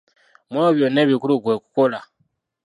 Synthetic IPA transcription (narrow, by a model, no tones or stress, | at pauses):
mwoβjoneːβikuluɡweːkukola